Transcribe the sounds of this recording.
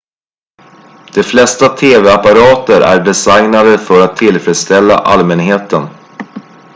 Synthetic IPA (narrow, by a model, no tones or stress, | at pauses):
d̪̥ɛflɛst̪at̪ʰeːvɛapaɾɑːt̪əɾʔæ̰ɖɛsajnad̪əfœɾat̪ʰːɪlfɾɛd̪st̪ɛlːa̰ʔa̰lmɛnɦeːt̪ən